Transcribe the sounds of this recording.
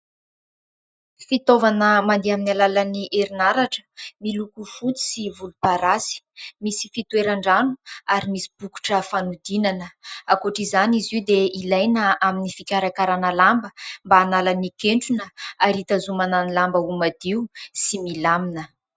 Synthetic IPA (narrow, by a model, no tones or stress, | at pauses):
fit̪ovanəmand̪eaminalalaniʔeɾinaɾaʈ͡ʂə̥milukufut͡s̪i̥sivulupaɾasi̥misi̥fit̪ueɾaɳɖ͡ʐanu̥aɾimisi̥b̥uku̥ʈ͡ʂəfanud̪inanəakoʈ͡ʂizaniziwd̪eilajnəaminifikʲaɾakaɾanəlambəmbaːnalanikeɳʈ͡ʂunəaɾit̪azumananilambəumad̪iusimilaminə